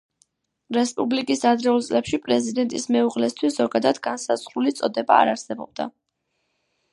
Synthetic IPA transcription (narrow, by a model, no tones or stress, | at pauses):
ɾɛspʼublikʼisad̪ɾɛulˠt̪sʼlɛpʃipʼɾɛzid̪ɛnt̪ʼismɛuʁlɛst̪ʰwisz̥ɔɡad̪ad̪ɡansaz̥ʁɾulit̪sʼɔd̪ɛba̰ːɾaɾsɛbɔb̥̚d̪a̰